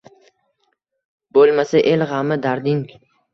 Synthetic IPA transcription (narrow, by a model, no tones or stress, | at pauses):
bolˠmasaʔelʁamɪd̪aɾd̪ɪŋ